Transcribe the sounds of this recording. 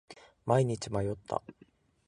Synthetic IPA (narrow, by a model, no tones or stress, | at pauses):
maiɲ̟it͡ɕimajo̞t̪ːa̰